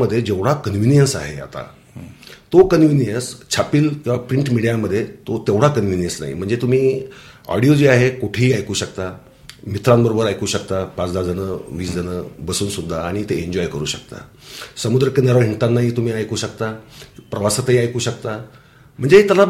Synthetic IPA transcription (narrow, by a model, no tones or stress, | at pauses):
məd̪ʱːjed͡ʑeʋɽ̤akənʋinijənsa̰ɦea̰t̪a̰ | t̪okənʋinijənst͡ɕʰapiːlkĩʋapɾĩɳʈmiɽijaməd̪ʱːjet̪ot̪eʋɽ̤akənʋinjənsna̰ɦḭm̤əɳd͡zet̪um̤iːɔ̰ɽijod͡ʑiːaɦekuʈʰeɦiːajkuːɕək̚t̪a | mit̪ɾambəɾobəɾajkuːɕəkt̪apat͡sd̪ad͡zənəʋiːsd͡zənəːbəsuːnsud̪ʱːaːɽ̃it̪eeɲd͡ʑɔjkəɾuːɕəkt̪a̰ | səmud̪ɾəkinəɾaɦiɳt̪at̪nːaɦit̪um̤iːajkuːɕəkt̪apɾəʋasət̪ːəiajkuːɕəkt̪a | m̤əɳd͡zet̪jala